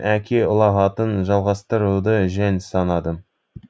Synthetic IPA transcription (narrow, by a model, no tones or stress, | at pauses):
ʔækʲʰeʊlˠɑʁɑt̪ənʒɑlˠʁɑst̪əɾud̪əʒænsɑnɑd̪ə